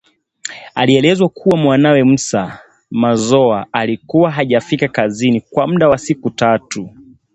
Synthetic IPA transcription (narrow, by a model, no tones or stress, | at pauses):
aliɛlɛzwakʰuwamwanawɛm̩sa | mazɔaalikuwaɦaʄafikakazinikwam̩ɗawasikutatu